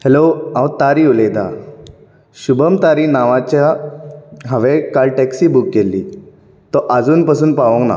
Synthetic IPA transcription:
heloãwt̪aɾiulejd̪ʱa̰ | ɕubəmt̪aɾiːnaʋãt͡ɕja | ɦəʋekalʈɛksiːbuk̚ɡelːḭː | t̪ɔʔad͡zuːnpasuːnpaʋə̃kna̰

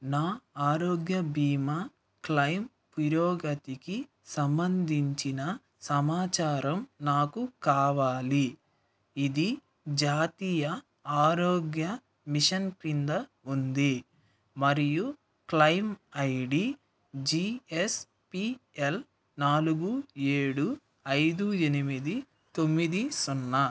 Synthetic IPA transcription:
naːaːɾoːɡjɐbiːmɐ | klɐjm | piɾɔːɡɐt̪iki | sɐmbɐnd̪ʱiɲt͡ʃinɐ | sɐmaːt͡ʃaːɾɐmnaːkukaːʋaːli | id̪i | d͡ʒaːt̪iːjɐ | aːɾoːɡjɐ | miʂɐnkind̪ɐ | und̪i | mɐɾiju | klɐjmɐjɽi | d͡ʒies | piel | naːluɡue̞ːɽu | ɐjd̪ue̞nimid̪i | t̪omːid̪isunːɐ

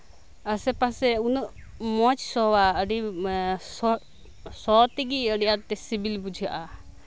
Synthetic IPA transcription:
əsɛpasɛunəʔmɔt͡ʃsɔwaəɖisɔ | sɔt̪iɡiəɖijat̪ɛsibilbud͡ʒʱijaʔa

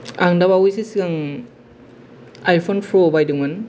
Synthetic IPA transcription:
aŋdabawujsisiɡaŋ | ajpʰonpʰɾobajdɯŋan

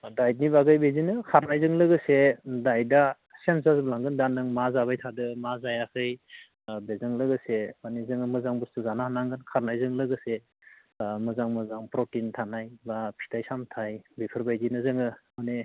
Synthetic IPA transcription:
dajt̚nibaɡɯjbezinɯkʰaɾnajzɯŋlɯɡɯsedajda | sensaɾsblaŋɡɯndanɯŋmazabajtʰadɯmazajakʰɯj | bezɯŋlɯɡɯsemanezɯŋɯmɯzaŋbustuzanahnaŋɡɯnkʰaɾnajzɯŋlɯɡɯse | mɯzaŋmɯzaŋpɾotintʰanajbapʰi̥tʰajsamtʰajbepʰɯɾbajzinɯzɯŋɯmane

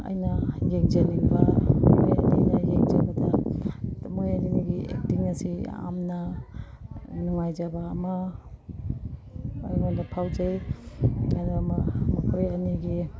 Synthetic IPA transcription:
ɐ̰jnɐjeŋzɐniŋbɐmojɐ̰ninɐjeŋzɐbɐdɐ | mojɐnimiɡiḛk̚tiŋnɐsia̰mnɐ | nuŋajzɐbɐːmɐ | aɾiŋondapʰawd͡ʒej | adamɐmɐkʰojɐniɡi

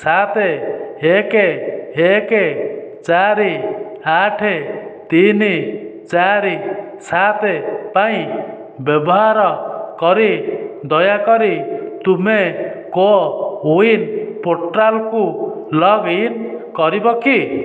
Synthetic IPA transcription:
sat̪eekeeket͡ʃaɾiaʈʰet̪init͡ʃaɾi | sat̪epaĩ | bjɔbɔɦaɾɔkɔɾid̪ɔjakɔɾit̪umekouinpoɾʈɾalku | lɔɡinkɔɾibɔki

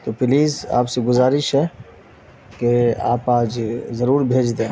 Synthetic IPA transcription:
t̪opɪliːza̰ːpseɡʊzaːɾɪʃɦɛ | kea̰ːpaːd͡ʒzɐɾuːɾbʱeːd͡ʒd̪ẽː

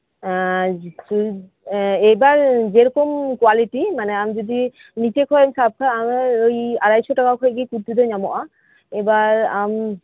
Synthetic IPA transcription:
su | ejbaɾd͡ʑeɾɔkomkwaliʈimaneamd͡ʒod̪i | nit͡ɕekʰɔensab̚kʰaameojaɾajʃoʈakakʰojeɡikuɾt̪ːud̪oɲamoʔa | ebaɾa̰m

